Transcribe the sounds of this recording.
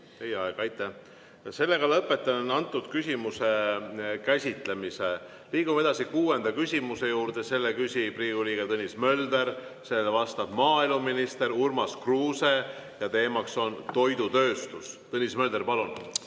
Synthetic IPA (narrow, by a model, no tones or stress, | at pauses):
t̪e̞jeɑeɡ̥ɑjt̪ːˑæ | se̞lːe̞ɡɑlɤpːˑe̞t̪ːˑɑnonɑnt̪ːˑud̪̥kysʲimuse̞kæsʲit̪ˑlemise | liːɡ̥umee̞d̪ɑsikuːe̞nd̪̥ɑkysʲimuse̞juːɾd̪e̞se̞lːekysʲipriːɡ̥uliːɡ̥et̪ɤnʲːismø̞ld̪̥e̞ɾse̞ːlvɑst̪ɑb̥mɑːeluminist̪e̞ɾurmɑskruːse̞ | jɑt̪e̞ːmɑkso̞nt̪o̞jd̪ut̪ø̞ːst̪ust̪ɤnʲismø̞ld̪̥e̞rpɑlun